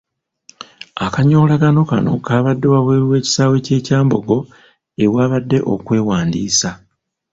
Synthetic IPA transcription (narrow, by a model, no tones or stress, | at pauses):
akaɲo̞ːlaɡano̞kano̞̰kaːβadːe̞waβweːɾiwe̞ːci̥saːwe̞ce̞ːcaːmbo̞ɡo̞ | ewaːβadːe̞̰ʔo̞̰kwe̞ːwaːndiːsa